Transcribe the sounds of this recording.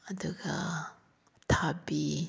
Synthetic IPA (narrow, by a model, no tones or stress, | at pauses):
ad̪uɡa | t̪ʰabi